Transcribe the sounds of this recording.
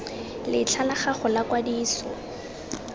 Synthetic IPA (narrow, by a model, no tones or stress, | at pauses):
lɪt͡ɬʰalaχaχʊlakwadiːsɔ̰